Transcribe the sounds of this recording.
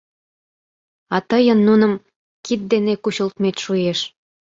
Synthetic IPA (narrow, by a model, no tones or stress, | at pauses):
ɑt̪əjənːunə̆m | kit̪̚d̪enekuɕə̆lt̪met̪ʲʃujeʃ